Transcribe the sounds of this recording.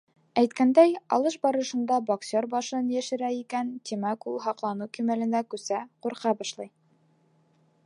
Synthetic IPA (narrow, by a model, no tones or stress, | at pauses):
æjt̪kænd̪æjɑ̰lˠɤʃbɑɾɤ̆ʃɤ̆nd̪ɑboksʲoɾbɑʃɤnjæʃɘ̆ɾæikænt̪ʲimækulˠɦɑqlˠɑnɤkimælɘ̆nd̪ækʉsæquɾqɑbɑʃlˠɑj